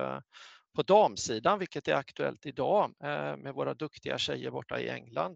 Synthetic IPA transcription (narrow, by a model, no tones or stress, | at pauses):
pʰɔd̪ɑːmsiːd̪anvɪlkət̪æɾakt̪ɵɛ̰lt̪ɪd̪ɑːmɛvoːɾad̪ɵkt̪ɪɡaɕɛjːəɾbɔʈːa̰ɪ̰ɛ̰ŋːland̪